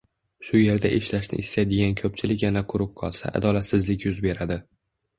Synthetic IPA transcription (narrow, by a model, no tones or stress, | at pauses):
ʃʊje̞ɾd̪aʔeʃlaʃnɪ̰ʔɪsːajd̪eɡʲankʰɵp̚t͡ʃʰɪlɪkʲjanaqʰʊɾʊp̚qʰɒlˠsa̰ʔa̰d̪ɒlat̪sɪzlɪkʲjʊzbe̞ɾad̪ɪ